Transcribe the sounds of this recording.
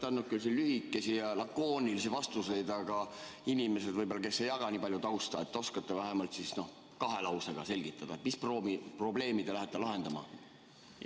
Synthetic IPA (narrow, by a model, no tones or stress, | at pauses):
t̪ːɑnːut̪̚kylsilːyhikːˑe̞sijɑlɑkːˑo̞ːnʲilisivɑst̪use̞jd̪ɑɡɑ | inime̞se̞d̪̥vɤjbolːɑke̞sːe̞jɑɡ̥ɑniːpɑljut̪ɑwst̪ɑet̪ːo̞skɑt̪ːevæɦemɑlt̪sisno̞h | kɑɦe̞lɑwseɡ̥ɑse̞lʲɡ̥it̪ːˑɑd̪ɑet̪mispromipro̞ble̞ːmid̪̥elæɦet̪ːˑelɑɦe̞nd̪ɑmɑ̰